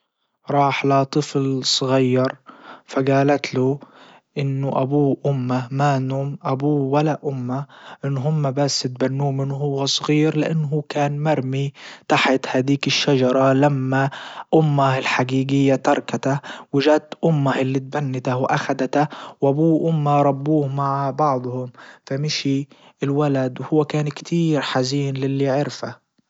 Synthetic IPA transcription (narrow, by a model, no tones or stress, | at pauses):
ɾˤɑːħlat̪ˤɨflsˤɣɑjːɑɾˤfaɡaːlat̪lu | ʔɪnːʊʔabuːʔʊmːamanuːmʔabuːwalaʔʊmːaʔɪnːɦʊmːabasːɪt̪̚banːuːmɪnɦʊwːasˤɣiːɾlɪʔanːɦuːkaːnmaɾˤmit̪aħat̪haːd̪iːkɪʃːad͡ʒɑɾˤɑlamːaʔʊmːaɪlħaɡiːɡɪjːat̪ɑɾˤkat̪awɪʒat̪ʔʊmːaʔɪlːit̪̚banːɪt̪ahwʔaxad̪at̪awʔabuːʔʊmːaɾˤɑbːuːhmaʕbɑʕd̪ˤhʊmfamɪʃi | ʔɪlwalad̪whʊwːakaːnkt̪ʰiːɾħaziːnlɪlːiʕɪɾfa